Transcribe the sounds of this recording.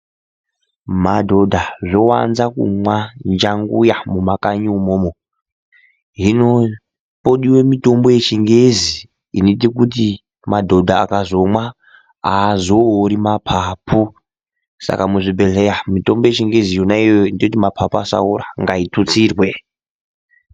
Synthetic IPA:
madʱo̞dʱaʐowa̰nzakṵmwand͡ʒaŋɡṵjamumakaɲumoːmo | ɦino | poɗiwemito̞mbo̞je̞t͡ʃiŋɡezi | init̬ik̬ut̬i | madʱo̞dʱaːkazo̞mwa | azoːɾimapʰapʰu | sa̰kamuʐibʱe̞ɮejamito̞mbojet͡ʃiŋɡe̞zijonaijoindiotimapʰapuasa̰uɾaŋɡaitʰut͡siːrwe̞

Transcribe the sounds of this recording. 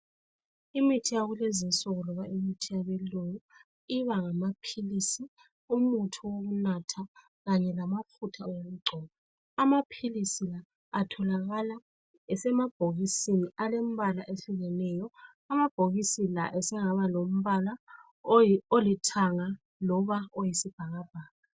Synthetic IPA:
imitʰijaɣulezinsɔɣɔlɔβaimitʰijaβɛlojɔ | iβaŋamapʰilisi | umutʰuwoɣunatʰa | ɣaɲɛlamakʰutʰaɔwm̩ɡ͡ǀʱɔβɔ | amapʰilisilaː | tʰɔlaɣala | ɛsɛmab̥ʱoɣisiniʔalem̩βalaʔeɬiɣɛnɛjɔ | amab̥ʱoɣisila̰ʔɛsɛŋaβalom̩βala | olitʰaŋa | lɔβaojisib̥ʱaɣab̥ʱaːɣa

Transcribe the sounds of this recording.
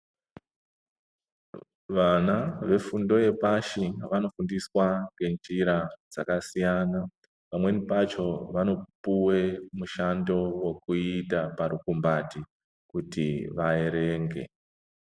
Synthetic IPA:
ʋanaʋe̞fundo̞e̞paʃiʋano̞fundiswaŋɡe̞nd͡ʒiɾad͡z̥akasijana | pamwe̞nipat͡ʃo̞ʋano̞puwe̞muʃando̞we̞kuitapaɾukumbati | kutiʋae̞ɾe̞ːŋɡe̞̰

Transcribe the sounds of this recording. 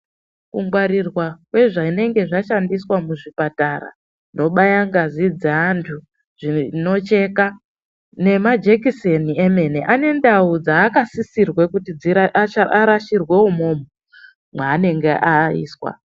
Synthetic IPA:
kuŋɡwaɾirwakwe̞ʐaine̞ŋɡe̞ʐaʃandiswamuʐipataɾa̰ | no̞ɓajaŋɡazid͡zeantʰu | ʐ̥ino̞t͡ʃe̞ːka | ne̞mad͡ʒekisenieme̞neʔane̞ndaud͡zaːkasisirwe̞kutid͡ziaʔaaɾaʃirwe̞umo̞ːmo | mwaːne̞ŋɡeʔaḭːswa̰

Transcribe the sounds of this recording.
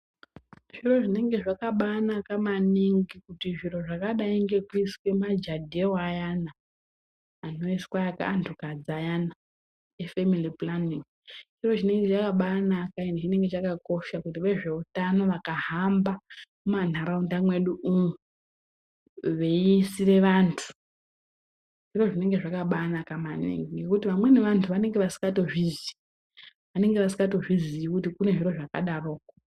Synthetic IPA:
ʐiro̞ʐine̞ŋɡe̞ʐakaɓanakamaniŋɡikutiʐir̤o̞ʐakaɗaiŋɡe̞kiskwemad͡ʒadʱewajanaː | no̞iskwaaka̰ːntʰukad͡zajana | efemiliplaniŋ | ʐiro̞ʐine̞ŋɡet͡ʃakaɓanakainet͡ʃine̞ŋɡe̞t͡ʃakako̞ʃakutiʋe̞ʐe̞utano̞ʋakahambamuman̤aɾaundamwe̞ɗuumu | ʋe̞iːsire̞ʋantʰu̥ | ʐ̥iro̞ʐine̞ŋɡe̞ʐakaɓanakamanḭŋɡiŋɡe̞kutiʋamwe̞ne̞ʋantʰuʋane̞ŋɡe̞ʋasi̥ŋɡato̞ʐizi | ʋane̞ŋɡe̞ʋasi̥ŋɡato̞ʐizijikut̬ikune̞ʐiro̞ʐaka̰ɗaroːko

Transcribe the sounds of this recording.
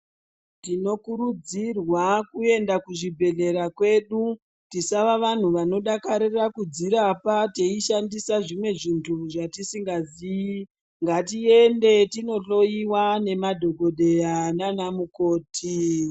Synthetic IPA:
tino̞kuɾud͡zirwakue̞ndakuʐibʱe̞ɮe̞ɾakwe̞ːɗu | tisaʋaʋan̤uʋano̞ɗakaɾirakud͡ziɾapateiʃandisaʐimwe̞ʐintʰuʐatisiŋɡazii | ŋɡatie̞nde̞tino̞ɬo̞iwane̞madʱo̞ɡʱo̞ɗe̞jananamuko̞ːtʰi

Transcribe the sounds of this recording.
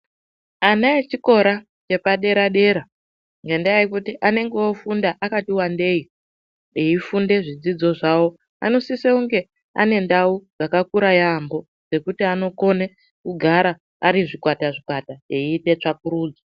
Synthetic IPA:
anaet͡ʃiko̞ɾa | t͡ʃe̞paɗe̞ɾaɗe̞ɾa | ŋɡendiaikutiʔane̞ŋɡeofundaʔakatiwande̞ji | eifunde̞ʐid͡zid͡zo̞ʐawo̞ | a̰no̞siseuŋɡe̞ | a̰ne̞ndaud͡zakakuɾajambo̞ | d͡ze̞kutiano̞ko̞ne | kuɡʱaɾaː | ɾiʐikwataʐikwataeiːte̞t͡ʂak̚uɾuːd͡za

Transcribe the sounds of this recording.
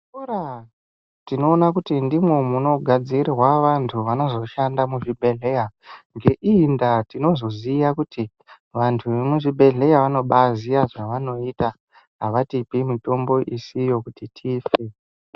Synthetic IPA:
ura | tino̞ːnakutindimwe̞muno̞ɡʱad͡zirwaʋantʰuʋano̞zo̞ʃandamuʐibʱe̞ɮe̞jaŋɡe̞ʔiːndatino̞zo̞zijakuti | ʋantʰuʋemuʐibʱe̞ɮe̞jaʋano̞ɓazijaʐaʋano̞ita | ɦaʋatipimito̞mbo̞ʔisijo̞kutitʰiːfe

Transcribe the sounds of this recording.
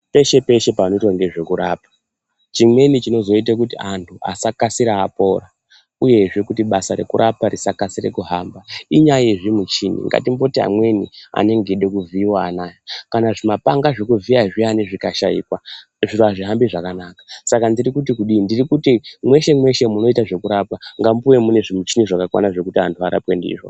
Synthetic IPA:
pe̞ʃe̞pe̞ʃe̞pano̞itwaŋɡe̞ʐe̞kuɾa̰ːpḁ | t͡ʃimwe̞nit͡ʃino̞zo̞it̬akutiantʰua̰sakasiɾaːpo̞ːra | uje̞ʐe̞kutiɓasaɾe̞̰kuɾʔapaɾisakasire̞̰kuɦambaiɲajeʐimut͡ʃinḭŋɡa̰timbo̞tia̰mwe̞nia̰ne̞ŋɡeɗekuviiwaːnaːjakanaʐimapaŋɡaʐekuviaʐianeʐikaʃaḭːkwa | ʐiɾuaʐiɦambiʐakanakḁsakandirikut̬ikuɗiːndirikutimwe̞ʃe̞mwe̞ʃe̞muno̞itaʐe̞kuɾapaŋɡampuwe̞mune̞ʐimut͡ʃiniʐakakwa̰naʐe̞kutiantʰuaɾa̰pwe̞ndḭʐo̞̰

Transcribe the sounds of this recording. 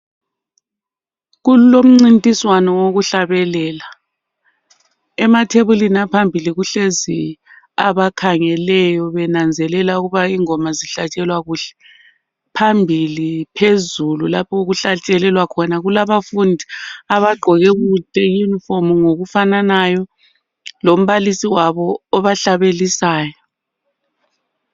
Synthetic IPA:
ɣulom̩ŋ͡ǀintʼiswanɔwoɣuɬaβɛlɛːla | ɛmatʰeβulinapʰambʱiliɣuɬezi | aβakʰaŋɛlɛjɔβɛnand͡zʱɛlɛlauɣuβaiŋɔmaziɬat͡ʃʼɛlwaɣuːɬɛ̥ | pʰambʱilipʰezululapʰɔuɣuɬat͡ʃʼɛlɛlwakʰɔnaɣulaβafundʱiaβaɡ͡ǃʱɔɣɛɣutʼɛjunifomuŋoɣufananajɔ | lom̩βalisiwaβɔːβaɬaβelisaːjɔ

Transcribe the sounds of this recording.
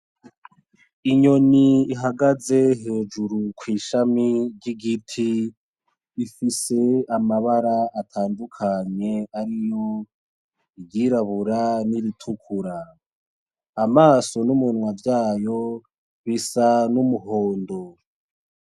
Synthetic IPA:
iɲo̞niːɦaɡaze̞ɦe̞ːd͡ʒuɾukwiːʃamiɾɟiɡitʰiː | fise̞amaβaɾaatʰaːndukʰaɲe̞aɾijo̞ | iɟiːɾaβuɾaniɾitʰukʰuɾa | maːso̞numunwavjaːjo̞ | βisanumuɦoːndo

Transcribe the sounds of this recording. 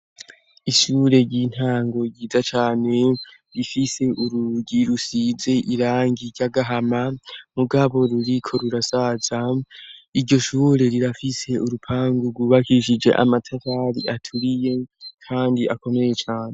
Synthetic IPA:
iʃuːɾe̞ɾɟiːn̥haːŋɡo̞ɟiːzat͡ʃaːne̞ | ɾifise̞ʔuɾuɡiɾusize̞ʔiɾaːŋɡiɾɟaɡaɦamamuɡaβo̞ɾuɾikʰo̞ɾuɾasaza | iɾɟo̞ʃuːɾe̞ɾiɾafise̞uɾupʰaːŋɡuɾɡuːβakiʃ̬id͡ʒe̞̰ʔa̰matʰataːɾḭʔatʰuɾije̞kʰaːndiako̞me̞je̞t͡ʃaːne̞

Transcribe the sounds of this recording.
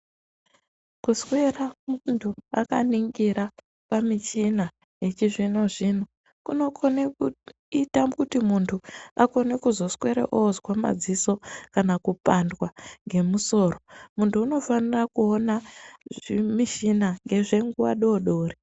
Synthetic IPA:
kuskwe̞ramuntʰua̰kaniŋɡiɾa | pamit͡ʃina | jet͡ʃiʐino̞ʐin̤o | kuno̞kʰoneu | itamkutimuntʰuako̞ne̞kuzo̞skwe̞ɾḛʔozwama̰d͡ziso̞kanakupandwaŋɡe̞muso̞ːromuntʰuːno̞fanirakuona | imiʃinaŋɡe̞ʐe̞ŋɡuwa̰ɗo̞ɗo̞ːri

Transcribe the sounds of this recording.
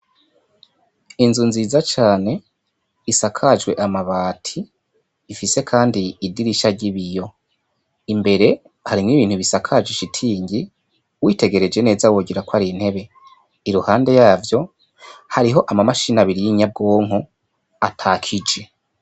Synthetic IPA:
inzunziːzat͡ʃaːne̞ | isakʰad͡ʒɡwe̞ʔamaβaːtʰiː | fise̞kʰaːndiːdiɾiʃaɟiβijo̞ | imbe̞ɾe̞ | haɾimŋiβiːnhuβisakʰad͡ʒiʃitʰiːɲɟi | wiːte̞ɡe̞ɾe̞d͡ʒe̞ne̞ːzawo̞ːɡiɾakwaɾin̥he̞βe̞ | iɾuhaːnde̞jaːvjo̞ | haɾiɦo̞ʔamamaʃinaβiɾijiɲab̚ɡo̞ːŋo | atʰaːkʰid͡ʒe̞

